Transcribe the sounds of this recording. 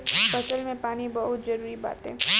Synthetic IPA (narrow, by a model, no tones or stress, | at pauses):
fɐsəlmẽpaːnibɐɦʊt̪zɐɾuːɾiba̰ːt̪ɦɛː